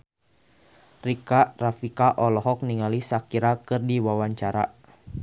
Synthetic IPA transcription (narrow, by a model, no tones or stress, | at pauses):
rikaʔrafikaʔɔlɔɦɔk̚niŋalisakiɾakɨrdiwawaɲt͡ʃaɾa